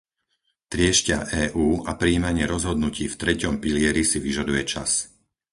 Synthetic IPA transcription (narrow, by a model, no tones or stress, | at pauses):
t̪ɾɪɛʃcɪaʔɛːʔuːapɾiːmaɲɪɛɾɔzɦɔd̪nuciːft̪ɾɛcɔmpilɪɛɾisiʋiʒad̪ujɛt͡ʃas